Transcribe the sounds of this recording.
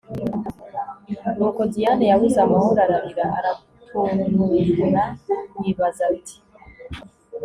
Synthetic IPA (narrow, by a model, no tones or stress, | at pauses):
ɾokodijanejaβuzamahoɾaɾaβiɾaʔa̰ɾa | tʰonumuiɡuɾawiβazatʰi̥